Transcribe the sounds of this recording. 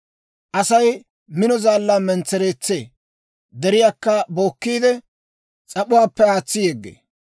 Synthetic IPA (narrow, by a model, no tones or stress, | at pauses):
ʔɐsɐj | mɪnɔzaːlːaːmɛnt͡sːɛɾeːt͡sːḛː | d̪ɛɾɪjaːkːɐbo̞ːkːiːd̪ɛ | t͡sʼɐpʼʊwaːpːɛaːt͡sːɪjɛɡːḛː